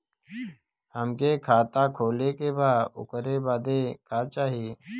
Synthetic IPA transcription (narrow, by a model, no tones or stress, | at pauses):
həmkeːkʰaːt̪aːkʰoːleːkebaːʊ̰kəɾeːbaːd̪eːkaːt͡ʃaːɦijeː